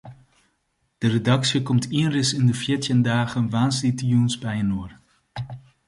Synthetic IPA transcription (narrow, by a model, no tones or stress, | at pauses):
d̥əredɑksjəkɔmtiənrɪsɪndəfɛːɹtjəndaːχənʋaːnslitijunsbɛjənoːr